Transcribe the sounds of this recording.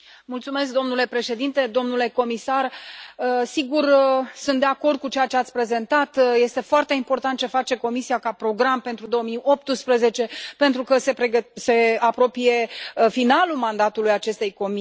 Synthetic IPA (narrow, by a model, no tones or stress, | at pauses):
mult̪sume̞s̬k̚d̪o̞mnule̞pɾe̞ʃe̞d̪int̪e̞d̪o̞mnule̞ko̞misarəsiɡursunt̪d̪e̞ako̞rd̪̚kut͡ʃejat͡ʃe̞at̪sʲpɾe̞ze̞nt̪at̪je̞st̪e̞foart̪e̞import̪ant̪̚t͡ʃefat͡ʃe̞ko̞misiakapɾo̞ɡɾampent̪ɾud̪o̞əmijo̞p̚t̪ɨspɾəze̞t͡ʃe̞pe̞nt̪ɾukəsepeəse̞apɾo̞pije̞finalulmand̪at̪ulujat͡ʃe̞st̪e̞jko̞m